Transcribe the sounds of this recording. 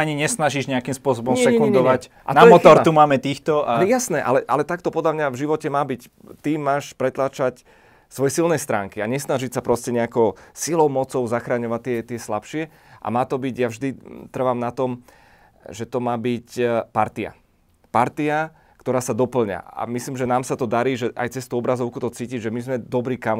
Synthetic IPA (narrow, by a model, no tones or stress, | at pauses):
aɲiɲɛsnaʒiʒɲɛakimspʊɔsɔbɔmsɛɛɛkɲunɛnɲd̪ɔʋac | ʔa̰tnaɔɛmɔt̪ɔɾt̪umaːmɛt̪iːxt̪ɔajasnɛʔalɛʔalɛt̪akt̪ɔpɔd̪lʎamɲavʒiʋɔcɛmaːbic | t̪imːaːʃpɾɛt̪laːt͡ʃac | sʋɔjɛsilnɛjst̪ɾaːŋkiaɲɛsnaʒicsapɾʔɔscɛɲɛakɔʊsilɔʊmɔt͡sɔʊzaxɾaːɲɔʋat̪ːɪɛt̪ɪɛslapʃɪɛ | ʔa̰maːt̪ɔbiɟjavʒd̪it̪r̩ʋamnat̪ɔm | ʒɛt̪ɔmaːbicpaɾt̪ia̰ | paɾt̪ia | kt̪ɔɾaːsad̪ɔpl̩ɲa̰a̰misliːmʒɛnaːmsat̪ɔd̪aɾiːʒɛʔa̰jt͡sɛst̪uɔbɾazɔʊkut̪ɔt͡siːciɟʒɛmizmɛd̪ɔbɾiːkam